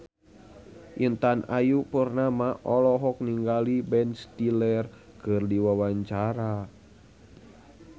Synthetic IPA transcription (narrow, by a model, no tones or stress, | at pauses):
ʔint̪anʔajupərnamaʔɔlɔɦɔk̚niŋɡalibɛnst̪ilɛr | kərdiwawaɲt͡ʃaɾa